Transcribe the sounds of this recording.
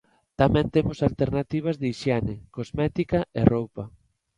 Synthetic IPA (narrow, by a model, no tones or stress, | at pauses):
t̪amɛ̃nt̪emʊsalt̪eɾnat̪iβ̞ɐzðeiʃjɛnɪkozmɛt̪ikɐḛrowpɐ